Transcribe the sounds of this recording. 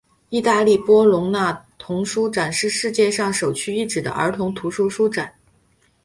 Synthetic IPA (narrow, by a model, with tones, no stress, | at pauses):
i˥˧t̪a˥˧li˥˩pwɔ˥lʊ˧˥ŋna˥˩t̪ʰʊ˧˥ŋʂu˥ʈ͡ʂa˨˩nʂɻ̩˥˧ʂɻ̩˥˧t͡ɕjɛ˥˧ʂɑ˥˩ŋʂo˨˩ʊt͡ɕʰy˥i˥˩ʈ͡ʂɻ̩˨˩d̪ə̰˦ʔə̰˞˧˥t̪ʰʊ˧˥ŋt̪ʰu˧˥ʂu˥ʂu˥ʈ͡ʂa˨˩˦n